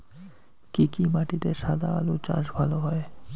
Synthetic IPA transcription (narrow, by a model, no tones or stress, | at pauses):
kikimaʈit̪eʃad̪aalut͡ɕã̰ʃbʱaloɦɔe